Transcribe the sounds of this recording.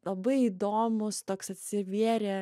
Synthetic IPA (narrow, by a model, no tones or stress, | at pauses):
lˠɐbɐɪiːd̪oːmʊst̪oːksɐt̪ʲsʲɪʋʲiɛɾʲe